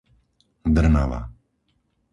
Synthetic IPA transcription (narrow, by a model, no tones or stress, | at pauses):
d̪əɾnaʋa̰